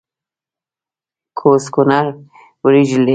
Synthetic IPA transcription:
kʰoskunaɾ | wɾid͡ʒle

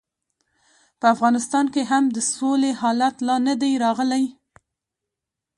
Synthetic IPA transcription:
pəafɣɑnɪst̪ɑnkeɦamd̪əsolehɑlat̪lɑnad̪ajɾɑɣəlaj

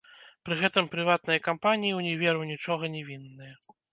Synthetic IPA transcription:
pɾɨɣɛt̪ɨmpɾɨvat̪̚nɨjɐkampanʲijiwnʲɛvʲɛɾɨwnʲit͡ʂɔɣɐnʲɛvʲinːɨjɐ

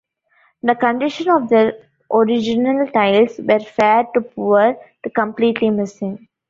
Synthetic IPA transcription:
d̪əkə̃ɳɖɪʃə̃nɔʋd̪əɾ | ʔoɾɪd͡ʒɪnəlʈaɪlsʋeɾfɛːɾʈupʰuəɾt̪əkə̃mpliːʈlimɪsɪ̃ŋ

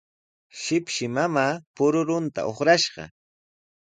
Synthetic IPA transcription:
ʃɪpʃɪmamaːpʊɾʊɾʊnt̪a̰ʔoχɾaʃɢɑ̰

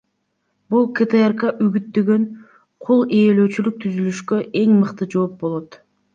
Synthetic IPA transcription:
bulˠket̪eerkɑʔyɡyt̪̚d̪øɡø̞n | qʰulˠeːløːt͡ʃylyk̚t̪ʰyzylyʃkø̞ʔe̞ŋmɯqt̪ɯd͡ʒo̞ːp̚bo̞lˠo̞t̪

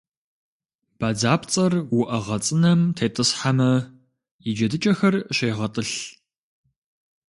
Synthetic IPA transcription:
b̥aːd͡zaːpt͡sʼɐrwʊʔɐʁɐt͡sʼɨnɐmtʰeːtʼɨsħamɐ | jid͡ʒɐdɨt͡ʃʼɐxɐrɕeːʁɐtʼɨɬ

